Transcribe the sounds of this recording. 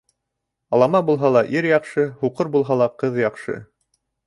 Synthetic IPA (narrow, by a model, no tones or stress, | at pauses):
ɑlˠɑmɑbulˠɦɑlˠɑʔiɾjɑqʃɤhuqɤɾbulˠɦɑlˠɑqɤðjɑqʃɤ̰